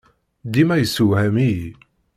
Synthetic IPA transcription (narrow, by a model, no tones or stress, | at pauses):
d̪imæjəsːuwhæmi